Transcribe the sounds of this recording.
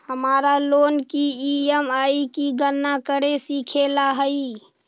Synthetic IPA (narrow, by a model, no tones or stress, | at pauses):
həmaːɾaloːnkiiɛmaːikiɡənːakəɾesiːkʰelaɦəi